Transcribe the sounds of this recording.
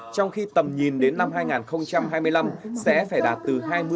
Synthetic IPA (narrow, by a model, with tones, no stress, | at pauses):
t͡ɕɔ˧wŋ͡mxi˧t̪ə˨˩mɲi˨˩nɗe˨˦nːa˧mɦaː˧jŋaː˨˩nxə˧wŋ͡mt͡ɕa˧mɦaː˧jmɨ˧əjla˧msɛ̰˧˥faː˧˩jɗaː˨˩t̚t̪ɨ˨˩ɦaː˧jmɨ˧